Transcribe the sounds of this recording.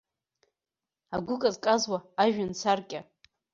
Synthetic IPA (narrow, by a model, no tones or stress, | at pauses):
aɡʷʊkʼazkʼazwaːʒᶣant͡sʰarkʲʼa